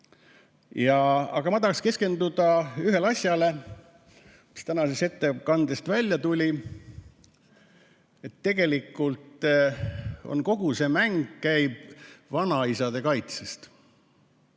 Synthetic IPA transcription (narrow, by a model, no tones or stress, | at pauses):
jɑɑ̰ɡ̥ɑmɑd̪ɑkske̞ske̞nd̪ud̪̥ɑyɦe̞lɑsʲjɑle | mi̥st̪ænɑsese̞t̪ːe̞kɑnd̪̥est̪vælʲjɑt̪ulʲi | e̞t̪ːe̞ɡ̥e̞likːˑult̪ˑ | o̞̰nko̞ɡ̥use̞mæŋɡ̥kæjb̥vɑnɑisɑd̪e̞kɑjt̪sest̪